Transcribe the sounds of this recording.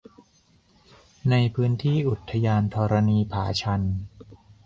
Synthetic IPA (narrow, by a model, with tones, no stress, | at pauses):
na˧jpʰɯː˦˥nt̪ʰiː˥˩ʔu˨˩t̪ʰːa˧jaː˧nt̪ʰɔː˧ɾa˧niː˧pʰaː˩˦t͡ɕʰa˧n